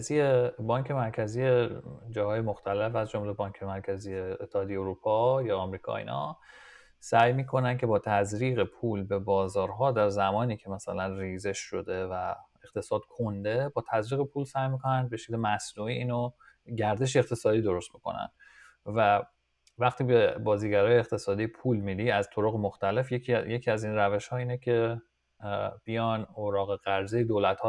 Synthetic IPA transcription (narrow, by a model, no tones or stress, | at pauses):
zijebɒːɲcʰe̞mæɾcʰæzijed͡ʒɒːhɒːjemo̞xt̪ʰælefæzd͡ʒo̞mle̞bɒːncʰemæɾcʰæzijeːt̪ʰːehɒːd̪ijeoɾuːpʰɒjɒːmɾiːkʰɒ̰ːḭːnɒ̰ | sæjmiːkʰo̞næncʰʲe̞bɒːt̪ʰæzɾiːɣe̞pʰuːlbe̞bɒːzɒːɾɦɒːd̪æɾzæmɒːniːcʰemæsælænriːze̞ʃʃo̞d̪e̞væeqt̪ʰe̞sɒːd̪̥kʰond̪e̞bɒːt̪ʰæzɾiːɣe̞pʰuːlsæjmikʰo̞nænd̪̚be̞ʃekʲlemæsnuiiːno | ɟæɾd̪e̞ʃ̬eeqt̪ʰe̞sɒːd̪iːd̪o̞ɾo̞st̪̚boko̰næ̰n | væ | væxt̪ʰiːbebɒːziːɟæɾɒːjeeqt̪ʰe̞sɒːd̪iːpʰuːlmid̪iːæzt̪ʰo̞ɾoɣemoxt̪æle̞fjecʰije̞cʰiːæzinræve̞ʃhɒːiːnecʰe̞ | b̥ijɒːnoɾɒːɣe̞ɣ̥æɾzejed̪olæt̪hɒː